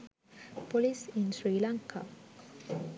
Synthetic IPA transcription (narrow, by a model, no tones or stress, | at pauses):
polisinsɾiːlaŋkʰa̰